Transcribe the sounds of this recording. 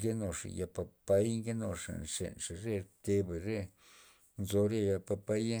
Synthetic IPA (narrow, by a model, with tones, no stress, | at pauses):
ɡe˦no˨ʂa̰˨ja˧pa˧pa˧˦jŋɡe˦no˨ʂa̰˨nʂḛ˨nʂa˨ɾe˦ɾt̪e˧be˨ɾe˦ | nzo˧ɾja˦˧ja˧pa˧pa˦j